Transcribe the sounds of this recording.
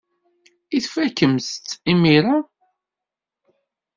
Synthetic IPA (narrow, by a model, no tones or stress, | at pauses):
iθfækːəmst̪ːimiɾa